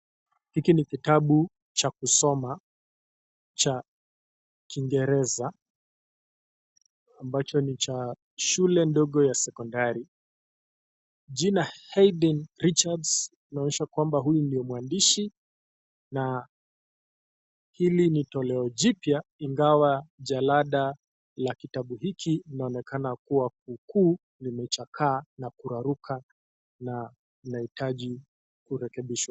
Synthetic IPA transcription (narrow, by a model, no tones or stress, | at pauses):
hikinikitaɓu | t͡ʃakusɔma | t͡ʃa | kiŋɡɛɾɛza | mbat͡ʃɔnit͡ʃa | ʃulɛndɔɠɔjasɛkɔndaɾi | ʄinahɛjɗinɾit͡ʃads | inaɔɲɛʃakwambaɦujundijɔmwandiʃi | na | hilinitɔlɛɔʄipjaiŋɡawaʄalaɗa | lakitaɓuhikʰiinaɔnɛkʰanakuwak̚uːkuː | limɛt͡ʃakʰaːnakuɾaɾukʰa | na | nahitaʄi | kuɾɛkɛɓiʃwa